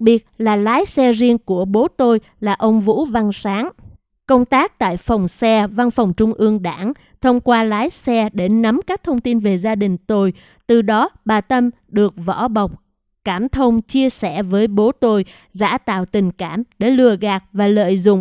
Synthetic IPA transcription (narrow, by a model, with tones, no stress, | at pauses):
k̚ɓi˨˩ət̚laː˨˩laː˨˦jsɛ˧zi˧ənku˧˩əɓo˨˦t̪o˧j | laː˨˩ʔə˧wŋ͡mvṵ˧˥va˧nsaː˨˦ŋ | kə˧wŋ͡mt̪aː˦˥k̚t̪a̰ː˧˨jfa˨˩wŋ͡msɛ˧va˧nfa˨˩wŋ͡mt͡ɕʊ˧ŋ͡mʔɨ˧əŋɗa̰ː˧˩ŋ | t̪ʰə˧wŋ͡mkwaː˧laː˨˦jsɛ˧ɗe˧˩na˨˦mkaː˦˥k̚t̪ʰə˧wŋ͡mt̪i˧nve˨˩zaː˧ɗï˨˩ŋ̟t̪o˧j | t̪ɨ˨˩ɗɔ˨˦ɓaː˨˩t̪ə˧m | ɗɨ˨˩ək̚vɔ̰˧˥ɓa˨˩wk͡p̚ | kaː˧˩mt̪ʰə˧wŋ͡mt͡ɕi˧əsɛ̰˧˩vəː˨˦jɓo˨˦t̪o˧j | za̰ː˧˥˩t̪a̰ː˧˨wt̪ï˨˩ŋ̟kaː˧˩mɗe˧˩lɨ˧˩əɣaː˨˩k̚vaː˨˩lə̰ː˧˨jzʊ̰˧˨ŋ͡m